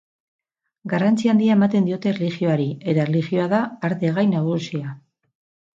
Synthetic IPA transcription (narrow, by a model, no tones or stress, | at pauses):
ɡarant͡siand̪iae̞mat̪e̞nd̪io̞t̪e̞relixio̞aɾie̞t̪aerelixjo̞aðaːɾðeɣajnaβusia